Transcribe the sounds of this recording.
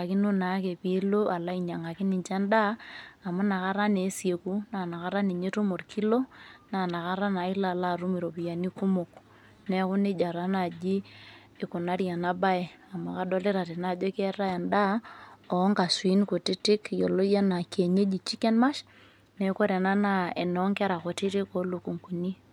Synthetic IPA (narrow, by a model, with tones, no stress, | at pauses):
a˨kɪ˦nu˦na˨˦ke˨pi˨˦lo˦ʔa˨la˦i˨ɲa˨ŋa˨kɪ˦nɪ˨nt͡ʃa˦ndaː˦˨mu˦na˨ka˦ɾa˦ne˨˦sje˨ku˦na˨na˨ka˦ɾa˦ni˨ɲe˦tu˦mo˨rkʰi˦lo˦na˨na˨ka˦ɾa˦na˨ɪ˦la˦˨la˦˨ɾu˦mi˨ɾo˨pi˨ja˨ni˦ku˦mo˨k | nɛ˨˦kʊ˦ne˦d͡ʒa˨ɾa˦na˨d͡ʒiː˦˨ | ku˨na˦ɾja˨na˦ba˦e˨ | a˨ma˨ka˦dɔ˦le˦ɾa˨te˨na˦˨d͡ʒɔ˦ke˦ɾa˦ja˨nda˦ɔ˨˦ŋka˨swi˦n˦ko˨tɪ˦tɪ˦kjo˨lo˦ja˦na˨ke˨ɲe˦d͡ʒi˨t͡ʃi˦kɛ˦nma˦ʃ | nɛ˨˦ko˦ɾe˨na˦na˦ḛ˨nɔ˨˦ŋkɛ˦ɾa˨ko˨tɪ˦ɾi˦ko˦lu˨ku˨ŋku˨ni˦